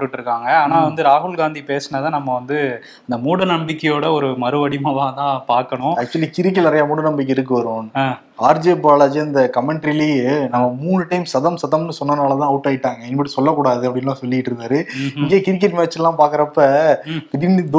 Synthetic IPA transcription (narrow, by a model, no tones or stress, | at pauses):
ʈːɯʈːɾɯkːaːŋɡɐaːnaːʋɐnd̪ɯɾaːɦʊɭɡaːnd̪ipeːsnɐðãːnɐmːɐʋɐnd̪ɯ | ɪnd̪ɐmuːɽɐnɐmbɪkːɐjoːɽɐɔɾɯmɐɾɯʋɐɽɪmɐʋaːt̪ãːpaːɾkɐɳʊ̃ɐk̚t͡ʃʊɐlikɪɾɪk̬ːɪlnɪɾɐjaːmuːɽɐnɐmbɪk̬ːɯɪɾɯk̬ːɯʋɐɾʊ̃ːnaː | aːɾd͡ʒeːbaːlɐd͡ʒɯɪnd̪ɐkɐmɛɳʈɾɪlijnɐmːɐmuːɳɯʈːɐɪmsɐðɐmsɐðɐmnɯsɔnːɐnaːlɐt̪ãːɐʋɯʈːɐːɪʈːaːŋɡɐɪnːɯpɐɽisɔlːɐkːuːɽaːðɯɐpːɐɽɪnlãːsɔlːɪkːɪʈːɯɾɯnd̪aːɾɯɪŋɡeːkɪɾɪk̬ːɪɾmɛːɐt͡ʃːɪlːãːpaːɾkɐɾɐpːɐpɪɾind̪